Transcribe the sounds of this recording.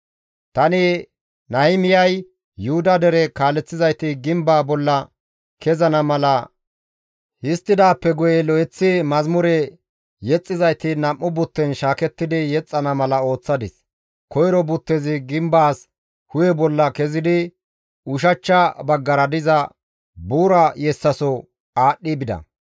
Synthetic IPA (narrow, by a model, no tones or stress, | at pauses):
t̪ɐnɪ | nɐɪmɪjɐj | jʊhʊd̪ɐd̪ɛɾɛkaːlːɛt͡sːɪzɐjt̪ɪɡɪmbaːbɔlːɐ | kɛzɐnɐmɐlɐ | hɪst̪ːɪd̪aːpːɛɡʊjɛlɔjɛt͡sːɪmɐzmʊɾɛ | jɛt͡sʼːɪzɐjt̪ɪnɐmːʊbʊt̪ːɛnʃaːkɛt̪ːɪd̪ɪjɛt͡sʼːɐnɐmɐlɐo̞ːt͡sːɐd̪ɪs | kɔjɾɔbʊt̪ːɛzɪɡɪmbaːs | hʊjɛbɔlːɐkɛzɪd̪ɪ | ʊʃ̬ɐt͡ʃːɐbɐɡːɐɾɐd̪ɪzɐ | buːɾɐjɛsːɐsɔ | aːɗːɪbɪd̪ɐ̰